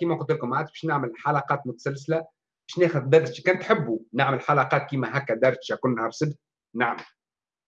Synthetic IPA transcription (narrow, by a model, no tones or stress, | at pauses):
kiːmæqʊt̪ːɪlkʊmːaʕaːt̪ʃbæːʃnɪʕmɪlħalɑqɑːt̪mʊt̪æ̥sælsɪlæ | b̥æːʃnæːxʊðd̪ɑɾːʃikæːnt̪ħɪbːunaʕmɪlħalɑqɑːt̪̚kiːmæɦæːkːæd̪ɑɾˤʃækuːnːɑɾsɪd̪ | naʕmɪl